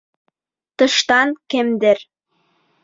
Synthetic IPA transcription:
t̪ɤ̆ʃt̪ɑnkĕmd̪ĕr

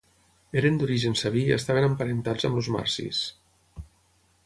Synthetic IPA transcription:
eɾend̪uɾiʒensəβ̞iə̰st̪aβenəmpəɾent̪azəmluzma̰ɾsḭs

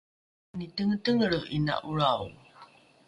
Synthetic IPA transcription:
nitəŋətəŋəɾəina̰ʔuɾaw

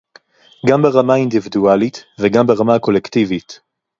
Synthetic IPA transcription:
ɡambeʁamaind̪ividualitveɡambeʁamako̞lektivit

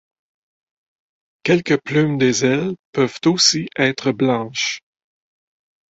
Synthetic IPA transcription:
kʲɛlkəplymd̪ezɛlpœv̥t̪osiʔɛːt̪χəblɑ̃ːʃ

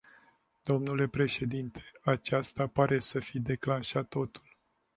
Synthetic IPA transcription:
d̪̥o̞mnule̞pɾe̞ʃe̞d̪int̪ʰe̥at͡ʃast̪apaɾʔe̞səfid̪e̞klanʃat̪ːo̞t̪u̥l

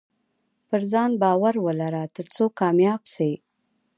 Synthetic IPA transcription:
pəɾzɑnbɑwaɾwəlaɾat̪əɾt͡sokɑmjɑɡse

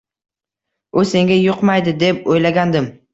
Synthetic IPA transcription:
ʊse̞ŋɡʲajʊqmajd̪ɪd̪e̞pojlaɡʲand̪ɪm

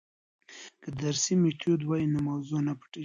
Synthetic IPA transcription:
kəd̪aɾsimet̪ʰod̪wajinomawzonapḁʈe

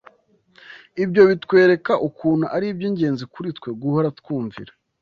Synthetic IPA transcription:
ibjo̞βitkwe̞ːɾe̞kaʔukuːnhuʔaɾibɟiːɲɟe̞ːnzikuɾitkwe̞ɡuhoɾatkwuːɱvḭɾa

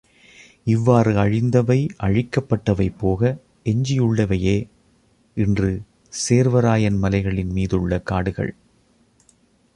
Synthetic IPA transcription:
ɪʋːaːrɯɐɻɪnd̪ɐʋɐɪʔɐɻɪkːɐpːɐʈːɐʋɐɪpːoːɣɐ | ɛɲd͡ʒɪjɯɭːɐʋɐjeː | ɪndrɯ | seːɾʋɐɾaːjɐnmɐlɐɪɣɐɭɪnmiːðɯɭːɐkaːɽɯɣɐ̰ɭ

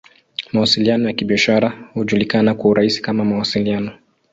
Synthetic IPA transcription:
mawasilianɔjakiɓiaʃaɾahuʄulikanakwauɾaisi̥kamamawasilianɔ

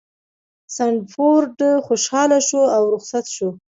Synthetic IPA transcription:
saɳɖfoɾɖəxoʃɑlaʃoawɾʊxsat̪ʃo

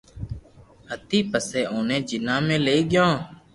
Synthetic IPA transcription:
ɦət̪iːpəseːʔoːnẽːd͡ʒɪnãːmẽːleːɡɪjõː

